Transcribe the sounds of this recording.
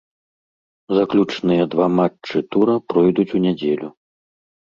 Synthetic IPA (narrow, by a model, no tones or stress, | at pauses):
zaklʲut͡ʂnɨjɐd̪vamat͡ʂːɨt̪uɾɐpɾɔjd̪ut͡sʲunʲad͡zʲelʲu